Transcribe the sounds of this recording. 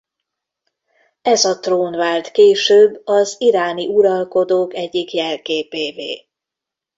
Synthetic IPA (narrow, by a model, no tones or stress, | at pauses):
ɛzɒt̪roːnvaːlt̪keːʃøːbːɒziɾaːniʔuɾɒlko̞d̪oːkɛɟːikjɛlkeːpeːvḛː